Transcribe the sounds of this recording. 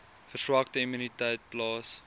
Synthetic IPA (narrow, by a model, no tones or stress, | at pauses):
fərswɐktəimynitɛjt̚plɑːs